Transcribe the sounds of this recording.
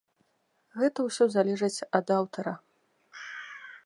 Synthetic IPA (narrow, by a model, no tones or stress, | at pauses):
ɣɛt̪ɐwsʲɔzalʲɛʐɐt͡sʲɐd̪awt̪ɐɾɐ